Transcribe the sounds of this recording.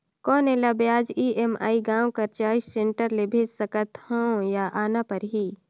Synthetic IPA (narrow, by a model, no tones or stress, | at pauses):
kɔːneːlabjaːd͡ʒiːʔema̰ːiɡãːõkɐɾt͡ʃaːissẽɳʈəɾlebʱeːd͡ʒsəkət̪hõjaʔaːnapɐɾɦiː